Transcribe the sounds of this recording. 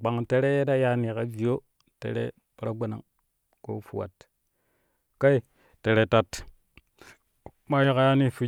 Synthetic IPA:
ɡ͡ba˨ŋte˦ɾe˦je˦da˦ja˦ni˨ka˦vi˨jo˦ | tḛ˨ɾḛ˦ | pɾa˦ɡa˨na̰˨ŋ | ko̰˦fu˨wa̰˨t | ka˦i˦ | te˨ɾe˨ta˨t | ma˦ji˦ka˨ja˦ni˦fu˨˦

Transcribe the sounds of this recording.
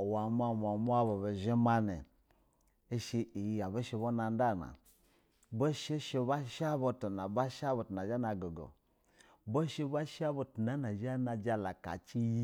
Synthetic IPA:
wa˨m˦a˦˨mʷ˨a˨mu˦a˦bo˨be˨ʒe˦ma˦nḛ˨ | e˦ʃi˧i˨ja˨bo˦ʃe˧bo˦na˨n˦da˦˨na̰˨ | bo˦ʃe˦ʃe˧ba˦ʃa˦bo˧to˨na˨ba˦ʃa˦bo˨tu˨na˨d͡ʒa˦na˨ɡo˨ɡo̰˨ | bo˦ʃi˦ba˦ʃa˦bo˨tu˨na˦na˨ʒa˦na˨d͡ʒa˦la˨ka̰˨t͡ʃi˦ji˦

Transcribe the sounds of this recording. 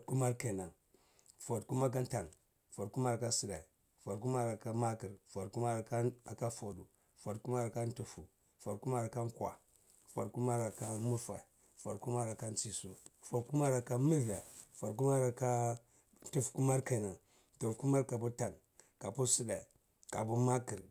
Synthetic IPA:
ku˦ma˦ɾke˨na˨ŋ | fo˨tku˦ma˦k̬a˦nta˨n | fo˨tku˦ma˦ɾka˦si˦da˨i˨ | fo˨k̬u˦ma˦ɾa˨ka˦ma˦ki˨ɾfo˨ku˦ma˦ɾka˦a˨ka˦fo˨du˨ | fo˨dku˦ma˦ɾa˨ka˦n˦tu˨fu˨ | fo˨ɾku˦ma˦ɾa˨ka˦ŋ˦kwa̰˨ | fo̰˨dku˦ma˦ɾa˨ka˦mu˦fa˨i˨ | fo̰˨ɾku˦ma˦ɾa˨ka˦n˦t͡si˨su˦fo˨dku˦ma˦ɾa˨ka˦mi˦va˨fo˨ɾk̬u˦ma˦ɾa˨ka˦ | n˦tu˦fku˦ma˦ɾka˨na˨ | to˨ku˦ma˦ɾka˨bu˦ta˨n | ka˨pu˦si˦da˨i˨ | ka̰˨bu˦ma˦ki˨ɾ

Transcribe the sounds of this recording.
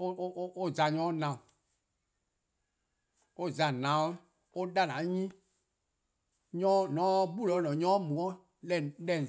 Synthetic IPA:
o˦ʔo˦za˨ɲɔ̃ː˨˦nã˨ũ˨ | o˦za˨nã˨w | o˦da˦nã˨˦ɲĩ˦ | ɲɔ̃˦nɔ̃˨˦bu˦lɔ˨˦nɔ̃˨ɲɔ̃ː˦mũ˨ɔ̃˦ | lɛ˨lɛ̃˨

